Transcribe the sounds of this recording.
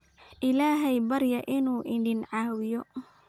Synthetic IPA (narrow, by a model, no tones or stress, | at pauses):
ʔɪlaːɦɛjbɐɾjɐʔɪnuːʔɪɖɪnʕɑːwɪjɔ